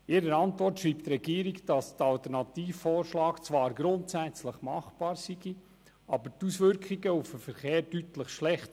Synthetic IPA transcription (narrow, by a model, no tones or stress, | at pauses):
ɪɾəɾɑntʋɔrtʃɾiːpt̪rɛɡiːɾiɡd̥ɑstəɑlt̪əɾnɑt̪iːfːɔːɾʃlɑːkt͡sʋɑːɾɡɾʊntsæt͡sləχmɑχb̥ɑːɾsiɡi | ʔɑbətusʋʏɾkχiɡəufəfəɾχeːɾdytləχʃlɛχt